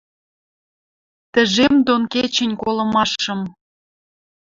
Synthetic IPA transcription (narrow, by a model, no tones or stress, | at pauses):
t̪ə̆ʒemd̪onket͡ɕə̆nʲkolɤ̆mɑʃɤ̆m